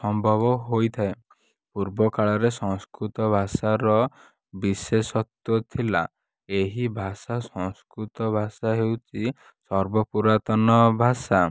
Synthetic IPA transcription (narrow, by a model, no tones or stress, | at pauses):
sɔmbʱɔbɔɦojt̪ʰae | puɾbɔkaɭɔɾesɔŋskɾut̪ɔbʱasaɾɔ | bisesɔt̪ut̪ʰila | eɦibʱasasɔ̃ŋskɾut̪ɔbʱasaɦewt͡ʃʰi | sɔɾbɔpuɾat̪ɔnɔbʱasa